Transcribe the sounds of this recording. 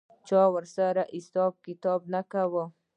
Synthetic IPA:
t͡ʃɑwəɾsaɾaʔɪsɑb̚kɪt̪ɑb̚nakawo

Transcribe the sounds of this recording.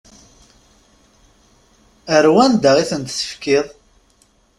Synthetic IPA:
əɾwænd̪aʁiθənt̪sə̥fkːiðˤ

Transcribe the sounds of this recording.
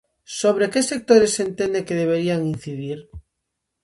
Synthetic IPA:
soβ̞ɾekesek̚t̪oɾesent̪end̪ekeðeβ̞eɾiaŋin̟θiðiɾ

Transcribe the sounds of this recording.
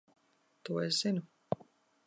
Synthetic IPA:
t̪uɔesz̥inu

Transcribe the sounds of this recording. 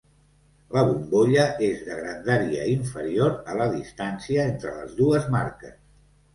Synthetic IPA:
ləβumboʎəezðəɣɾənd̪aɾiə̰iɱfəɾioɾələðist̪ansiəent̪ɾələ̰zðuəzma̰ɾkəs

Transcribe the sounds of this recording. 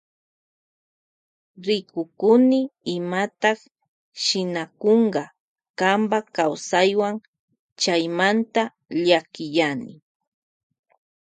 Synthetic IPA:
ɾɪkʊkʊnɪɪmat̪ɑχ | ʃɪnakoɴɢɑ | kambakawsajwaŋ | t͡ʃajmant̪a | ʎakɪjanɪ̰

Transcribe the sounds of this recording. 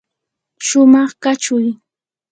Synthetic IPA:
ʃʊmɑχkat͡ʃʊj

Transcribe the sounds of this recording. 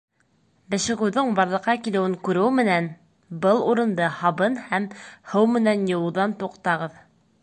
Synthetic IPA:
bɘ̆ʃɘ̆ɣɘ̆wðɘɴbɑɾlˠɤ̆qːɑkilɘ̆wɘŋkʉɾɘwmɘ̆næn | bɤlˠuɾɤ̆nd̪ɤhɑβɤnhæmhɤwmɘ̆nænjɤ̆wˠuðɑnt̪uqt̪ɑʁɤð

